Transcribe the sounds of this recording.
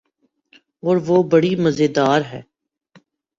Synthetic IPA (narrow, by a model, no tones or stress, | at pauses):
ɔːɾʋoːbɐɽimɐzeːd̪aːɾɦɛː